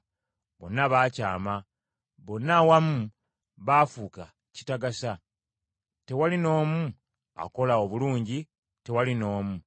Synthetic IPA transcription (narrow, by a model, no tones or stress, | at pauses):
βo̞̰nːaβaːcaːma | βo̞nːawamu | βaːfuːka | ci̥taɡasa | te̞walino̞ːmu | a̰ko̞laoβuluːɲɟi | te̞walino̞ːmu